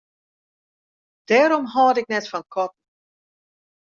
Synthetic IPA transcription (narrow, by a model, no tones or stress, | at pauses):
d̥ɛːɾɔmɦɔːdɪk̚nɛtfɔnkʰɔt̚n̩